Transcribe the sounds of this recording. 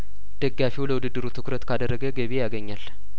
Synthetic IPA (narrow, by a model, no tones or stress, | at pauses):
d̪̥əɡːafiwləwʊd̪ɨd̪ːɨɾut̪ʰɨkɾət̪kʰad̪ərːəɡəɡəβejaɡəɲːal